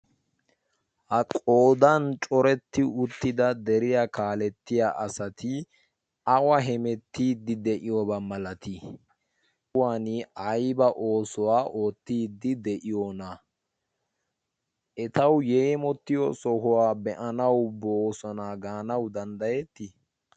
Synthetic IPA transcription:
hɐkʼoːd̪ɐnt͡ʃʼɔɾɛt̪ːɪʊt̪ːɪd̪ɐd̪ɛɾɪjakaːlɛt̪ːɪjaʔɐsɐt̪ɪ | ɐwɐɦɛmɛt̪ːiːd̪ːɪd̪ɛʔɪjɔbɐmɐlɐt̪ɪ | waːnɪɐjbɐʔo̞ːsɔwaːʔoːt̪ːiːd̪ːɪd̪ɛʔɪjonɐ | ʔɛt̪ɐwjeːmɔt̪ːɪjɔsɔɦʊwaːbɛʔɐnɐwboːsɔnaɡaːnɐwd̪ɐnd̪ɐjɛt̪ːɪ

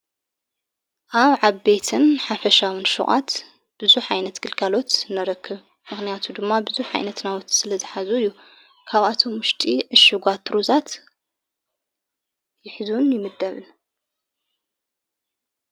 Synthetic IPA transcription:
ʔaβʕaβbe̞t̪ʰɨnħafɐʃawɨnʃṵχʼa̰t̪ | b̥ɨzuħajnɐt̪ɡʰɨlkʰalo̞t̪nɐɾɐkʰːɨβ | mɨxnɨjat̪ʰud̪ɨmːabɨzuʕa̰jnɐt̪nawot̪sɨlɐzɨħazujːu | kʰaβat̪ʰo̞mwʊʃt̪ʼiʕɨʃːɨɡʷat̪ʰɾuzat̪ | jɪħɨzunjɪmɨd̪ːɐβɨn

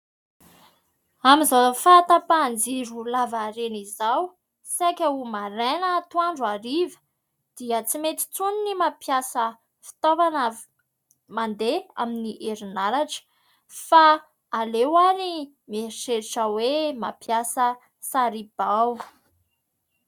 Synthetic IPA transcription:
amizafat̪əpand͡ziɾulavaɾenizaw | sakʲəumaɾenət̪uaɳɖ͡ʐuaɾivə̥ | d̪̥iət͡simet̪i̥t͡suninimapjasə | fi̥t̪ovanə | mand̪ea̰miniʔeɾinalaʈ͡ʂə̥ | faː | lewaɾi | meiseɾiʈ͡ʂəwema̰pjasə | saɾib̥aw

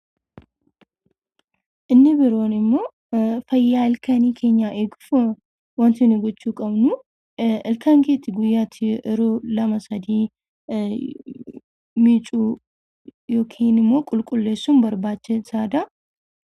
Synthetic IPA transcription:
ʔɪnːɪbɪɾo̞ːnɪmːo̞ː | fɐjːaːɪlkʰɐniːkʰe̞ːɲːaʔeːɡʊfʊ | wɐnt̪ɪnɪɡɔt͡ʃːuːkʼɐbnu | ɪlkɐŋɡeːt̪ːɪɡʊjːaːt̪ʰɪʔɪɾolɐmɐsɐd̪iː | mit͡ʃʼuː | joːkʰeːnɪmːo̞ːkʼʊlkʼʊlːeːsːumbɐɾbaːt͡ʃːɛsaːd̪a

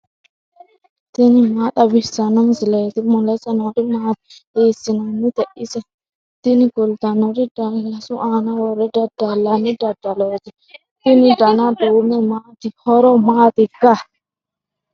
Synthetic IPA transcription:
tinimaɗabisanaŋzilɛt̪imolɛsanaɾimat̪itesinaŋnit̪eʔisa | t̪iniɡoldanoɾidailasuʔanawɔɾɛdadalːanidadaloti | t̪inidanadomɛmat̪ihɔɾɔmat̪iɡa

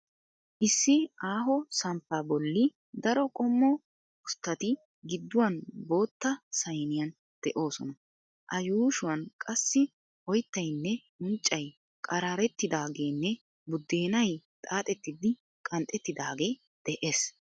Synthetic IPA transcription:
ʔɪsːɪaːɦɔsɐmpːaːbɔlːɪ | d̪ɐɾɔkʼɔmːɔ | ʊst̪ːɐt̪ɪ | ɡɪd̪ːʊwɐnbo̞ːt̪ːɐsɐjnɪjɐn | d̪̥ɛʔo̞ːsɔnɐ | ʔɐjuːʃʊwɐnkʼɐsːɪ | ɔjt̪ːɐjnːɛ | ʊnt͡ʃʼːɐj | kʼɐɾaːɾɛt̪ːɪd̪aːɡe̞ːnːɛ | bʊd̪ːe̞ːnɐjt̪ʼaːt̪ʼɛt̪ːɪd̪ɪ | kʼɐnt̪ʼɛt̪ːɪd̪aːɡe̞ː | d̪̥ɛʔe̞ːs

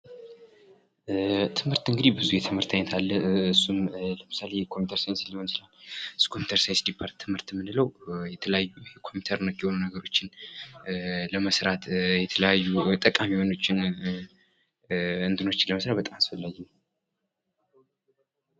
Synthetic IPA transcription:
t̪ʰɨmhɨɾt̪ɨŋɡɨd̪ibɨzujɛt̪ʰɨmhɨɾt̪ʰaɲːɛt̪ʰalːəɨsːumləmɨsalekʰo̞mput̪ʰəɾsajnsləhonslalskʰo̞mjut̪ʰəɾsajnsd̪ipʰaɾt̪ʰːɨmhɨɾt̪mːɨnɨləwjɛt̪ʰələjajːujɛkʰo̞mut̪ʰəɾnəkːjɛho̞nunəɡəɾo̞t͡ʃːɪn | ləməsɾat̪jɛt̪ʰələjajːut̪ʼəkʼamiho̞no̞t͡ʃːɪn | ɨnt̪ɨno̞t͡ʃːɪnləməsɾat̪bət̪ʼamasfəlːaɡɛn

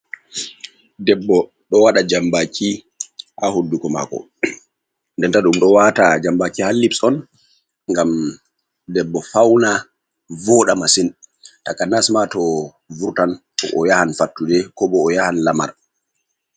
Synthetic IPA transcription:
dɛbːɔ | ɗɔwaɗad͡ʒambakʰi | hahodːukɔma̰ːkɔ̰ | ndɛntaɗumɗɔwatad͡ʒambakihalːipsɔn | ŋɡam | dɛbːɔfawna | vɔɗamasintakanasmatɔ | vuɾtan | ɔʔɔjahanfatːudɛkɔbɔːjahanlama̰ɾ

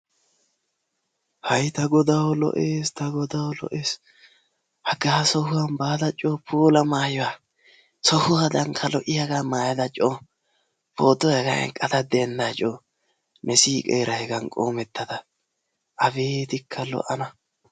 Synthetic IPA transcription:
hɐjt̪ɐɡɔd̪awɔlɔ̰ʔeːst̪ɐɡɔd̪awɔlɔ̰ʔeːs | hɐɡaːsɔhʊwɐmbaːd̪ɐt͡ʃʼːoːpʰuːlɐmaːjɔwa | sɔhʊwad̪ɐŋkʰɐlɔʔɪjɐɡaːmaːjɐd̪ɐt͡ʃʼːoː | poːt̪ːɔhɛɡɐ̰ɛ̰ŋkʼɐt̪ɐd̪ɛnːat͡ʃʼoː | mʔɛsiːkʼeːɾɐhɛɡɐnkʼoːmɛt̪ːɐd̪ɐ | ʔɐfe̞ːt̪ɪkʰːɐlɔ̰ʔɐnɐ

